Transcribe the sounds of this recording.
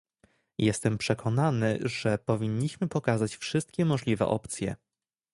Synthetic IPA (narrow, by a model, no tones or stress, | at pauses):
jɛst̪ɛmpʂɛkʰɔnanɘ̰ʐɛpɔvʲiɲːiɕmɘpɔkazat͡ɕfʂɘst̪kʲɛmɔʐlʲivɛ̰ʔɔ̰pt̪sʲjɛ̰